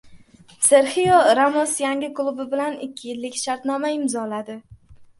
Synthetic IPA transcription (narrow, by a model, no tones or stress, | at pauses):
seɾhijɒɾamɒsjaŋɡʲɪklˠubɪbɪlanɪkʲʰːɪjɪlːɪkʲʃaɾt̪nɒmaɪmzɒlad̪ɪ